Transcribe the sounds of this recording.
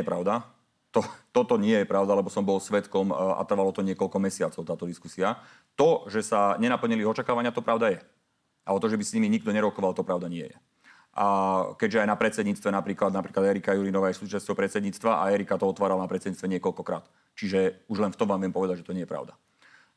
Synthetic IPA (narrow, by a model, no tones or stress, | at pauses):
ɛpɾaʊd̪a | t̪ɔt̪ɔt̪ɔɲɪɛjɛpɾaʊd̪alɛbɔsɔmbɔlsʋɛt̪kɔma̰t̪r̩ʋalɔt̪ɔɲɪɛkɔlkɔmɛsɪat͡sɔʊt̪aːt̪ɔd̪iskusia | t̪ɔʒɛsaɲɛnapl̩ɲiliiɦɔt͡ʃakaːʋaɲɪat̪ɔpɾaʊd̪ajɛ | aɔt̪ɔʒɛbisɲimiɲiɡ̚d̪ɔɲɛɾɔkɔʋalt̪ɔpɾaʊd̪aɲɪɛ̰jɛ | ʔkɛɟʒɛajnapɾɛt͡sɛd̪ɲiːt͡st̪ʋɛnapɾiːklad̪napɾiklad̪ɛɾikajuɾinɔʋaːjɛsuːt͡ʃast͡ɕɔʊpɾɛt͡sɛd̪ɲiːt͡st̪ʋaʔa̰ɛɾikat̪ɔɔt̪ʋaːɾalnapɾɛt͡sɛd̪ɲiːt͡st̪ʋɛɲɪɛkɔlkɔkɾa̰ːt̪ | t͡ʃiʒɛuʒlɛnft̪ɔmʋaːmʋɪɛmpɔʋɛd̪aɟʒɛt̪ɔɲɛjɛpɾa̰ʊd̪a